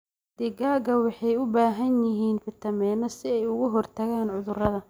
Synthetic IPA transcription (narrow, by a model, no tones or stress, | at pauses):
d̪̥ɪɡaːɡɐwɑħɑjʊbaːɦɐnjɪɦiːnfɪt̪ʰɐmɛːnɔsɪɛjʊɣʊɦɔrt̪ʰɐɣaːnʕʊðʊrɐðɐ